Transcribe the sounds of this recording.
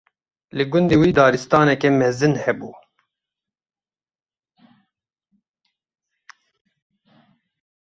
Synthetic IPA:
lɨɡʊnd̪iːwiːd̪ɑːɾɨst̪ɑːnɛkɛmɛzɨnhɛbuː

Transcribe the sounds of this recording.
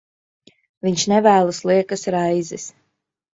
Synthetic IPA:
vʲiɲʃnɛvæːlˠuslˠiɛkasɾajzɛs

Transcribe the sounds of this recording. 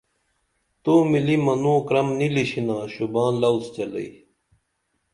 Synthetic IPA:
t̪oːmilimɐnũːkɾɐmniliɕinãːɕubãːlɐust͡ɕelɐ̰i

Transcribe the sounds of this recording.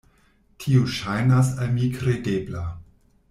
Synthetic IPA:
tʰiuʃajnas̬almikɾedebla

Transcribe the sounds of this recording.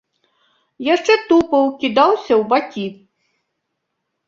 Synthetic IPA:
jaʂt͡ʂɛt̪upɐwkʲid̪awsʲɐwbakʲi

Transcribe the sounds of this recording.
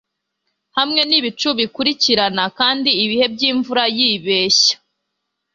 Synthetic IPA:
hamŋe̞niβit͡ʃuβikuɾiciɾanakaːndiːβihe̞bɟiːɱvuɾajiːβe̞ːçḁ

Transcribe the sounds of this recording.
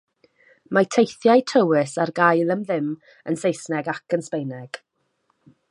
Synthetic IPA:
majtʰejθjajtʰəwɪsarɡajlˠəmðɪm | ənsejsnɛɡakʰənspejnɛɡ̥

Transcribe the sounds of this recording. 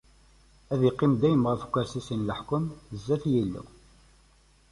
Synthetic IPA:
æðiqːɪmd̪æjəmʁəfkʷːæɾsisinləħkəmzːæθjilːṵ

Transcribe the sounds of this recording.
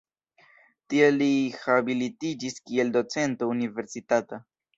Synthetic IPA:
tielːihabilitid͡ʒiskie̞ldo̞t͡se̞ntounive̞ɾsitata

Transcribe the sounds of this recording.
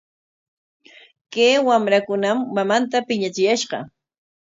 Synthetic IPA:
kewamɾakʊnamːamant̪apɪɲat͡ʃɪjaʃɢɑ̰

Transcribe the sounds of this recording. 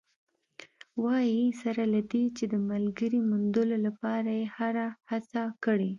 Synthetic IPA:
wɑjisaɾalad̪et͡ʃed̪əmalɡəɾimʊnd̪əlolapɑɾajehaɾahat͡sakəɽi

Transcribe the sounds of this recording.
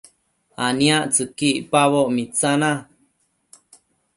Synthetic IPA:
anĩaʔt͡sɨkipaβoʔmit͡sanã

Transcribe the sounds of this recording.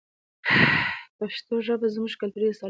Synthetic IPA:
paʃt̪oʒəbazmuʒkalt̪uɾiasɑ

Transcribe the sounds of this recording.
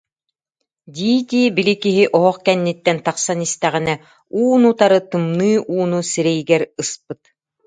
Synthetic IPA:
d̪ʲiːd̪ʲiːbilikiɦiʔɔɦɔχkɛnːit̪ːɛnt̪aqsanist̪ɛʁinɛ | uːnut̪aɾɯt̪ɯmnɯːʔuːnusiɾɛjɡɛɾɯsp̚ɯt̪̚

